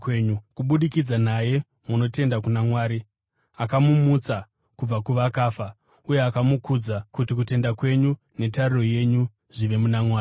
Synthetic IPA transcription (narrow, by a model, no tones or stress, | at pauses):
kweɲukuɓuɗikid͡zanaje̞ | muno̞te̞ndakunamwaːɾi | akamumut͡sa | kub͡vakuʋakaːfa | uje̞akamukud͡zakutik̬ute̞ndakwe̞ɲu | ne̞t̬ariro̞je̞ɲu | ʐ̥iʋe̞munamwaːi